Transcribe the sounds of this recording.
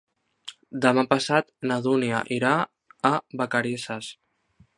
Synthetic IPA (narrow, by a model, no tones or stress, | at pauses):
d̪əmapəsat̪naðunia̰ʔiɾaː | bakaɾisas